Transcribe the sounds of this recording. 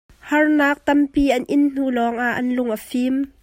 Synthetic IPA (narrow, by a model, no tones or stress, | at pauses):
hɐrnaːk̚t̪ɐmpiːʔɐnʔɪnn̥uːlɔːŋʔaʔːɐnlʊŋʔəfim